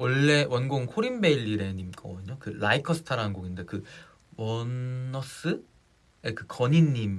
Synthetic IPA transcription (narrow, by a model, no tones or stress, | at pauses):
wʌɭːe̞wʌnɡoŋnkʰoɾimbe̞iʎːiɾe̞ɲimk͈ʰʌɲokɯɭaikʰʌsʰɯ̥tʰaɾaɦanɡoɡinde̞kɯ | wʌnʌs͈ɯ | ekɯkʌɲinːim